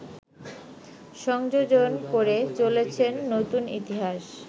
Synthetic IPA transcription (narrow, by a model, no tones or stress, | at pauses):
ʃɔŋd͡ʑod͡ʑonkoɾet͡ɕolet͡ɕʰenːot̪unḭt̪iɦaʃ